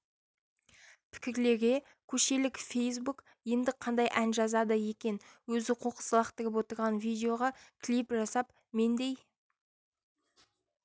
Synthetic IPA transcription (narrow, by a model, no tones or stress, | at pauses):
pʰɪ̥kʲɪɾle̞ɾɡʲe̞ | kʲʰɵʃe̞lɪkfʲe̞js̬buk | iend̪ɪqʰɑnd̪ɑjʔænʒɑzɑd̪ɑje̞kʲe̞nwɵzɪqʰoqə̥səlˠɑqt̪ɪɾʲɪp̬wo̞t̪əɾʁɑnvijd̪ʲeo̞ʁɑkʲʰlipʒɑsɑp | me̞nd̪e̞j